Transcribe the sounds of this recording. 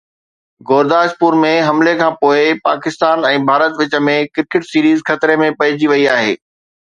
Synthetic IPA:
ɡoːɾd̪aːʃpuːɾmẽɦɐmlekʰãːpoːɪpaːkɪst̪aːnɛ̃ːbʱaːɾət̪ʋɪt͡ɕə̆mẽkɪɾkɪʈsiːɾiːzxɐt̪ɾemẽpɐɦɪd͡ʑiʋɐiaːɦḛː

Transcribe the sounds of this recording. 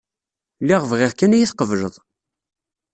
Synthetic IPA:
lːiʁvʁɪʁkːænæjiθqəvʒəðˤ

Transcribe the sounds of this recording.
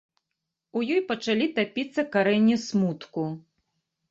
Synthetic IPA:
ujɔjpɐt͡ʂalʲit̪apʲit̪sːɐkaɾɛnʲːismut̪ku

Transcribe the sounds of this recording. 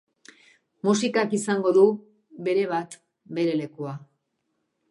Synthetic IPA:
musikakisaŋɡo̞ðu | βe̞ɾe̞β̞at̪ | be̞ɾe̞le̞kua

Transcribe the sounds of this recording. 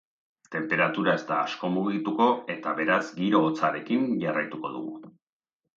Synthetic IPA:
t̪e̞mpe̞ɾat̪uɾae̞st̪aːsko̞muɣit̪uko̞e̞t̪aβe̞ɾazɡiɾo̞ːt͡saɾe̞kinʝarajt̪uko̞̰ðṵɣ̞ṵ

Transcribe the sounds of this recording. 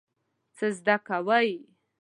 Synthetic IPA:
t͡səzd̪akawəj

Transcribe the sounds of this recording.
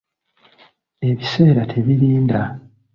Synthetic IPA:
e̞βise̞ːɾatʰe̞βiɾiːnda

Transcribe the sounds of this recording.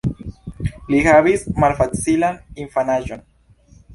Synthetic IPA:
liɣaβismalfatsilaniɱfanaʒon

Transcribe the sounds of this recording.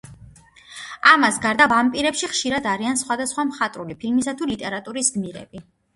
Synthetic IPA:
amasɡaɾd̪aampʼiɾɛpʃiχʃiɾad̪aɾiansχwad̪asχwamχat̪ʼɾulipʰilmisat̪ʰulit̪ʼɛɾat̪ʼuɾisɡmiɾɛ̰b̥i

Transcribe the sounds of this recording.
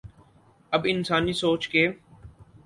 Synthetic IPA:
əbɪnsaːnisoːt͡ʃkeː

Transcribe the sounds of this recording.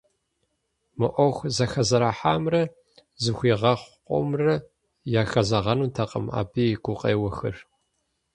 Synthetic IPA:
mɨʔʷɔxʷzɐxɐzɐɾaːħaːmrɐ | zɨxʷiːʁɐχʷqʷʼɔ̰mrɐ | jaːxɐzɐʁɐnuːtʰɐqʼə̰ma̰ːbiːɡʷʊqʼḛːwɐxɨ̰r

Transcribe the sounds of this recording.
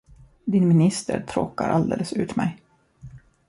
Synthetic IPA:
d̪ɪnmɪnɪst̪ə̰ɾt̪ʰɾoːkaɾʔald̪eːləsʉ̟ːt̪mɛj

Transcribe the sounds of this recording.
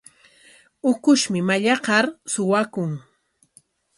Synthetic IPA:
ʊkʊʃmɪmaʎɑqɑɾsʊwakʊŋ

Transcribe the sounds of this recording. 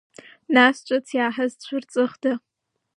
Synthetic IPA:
nast͡ʃʷʼat͡sʰjaːħazt͡ɕʷʰʊrt͡sʼɨχdɨ

